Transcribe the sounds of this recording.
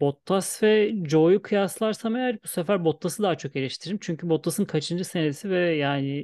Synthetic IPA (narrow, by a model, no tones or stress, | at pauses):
bo̞t̪ʰːasvɛd͡ʒo̞jukʰɯjaslˠaɾsamejaɾbusefæɾbo̞t̪lːˠasɯd̪aɦat͡ʃʰo̞ke̞lʲiʃt̪ʰiɾimt͡ʃʰyɲcʰybo̞t̪lːˠasɯnkʰat͡ʃʰɯnd͡ʒase̞nesivɛjaːnɪ